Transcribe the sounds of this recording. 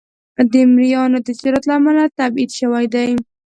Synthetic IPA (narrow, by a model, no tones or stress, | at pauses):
d̪emɾijɑnad̪əsiɾat̪lamalat̪abid̪ʃawajd̪aj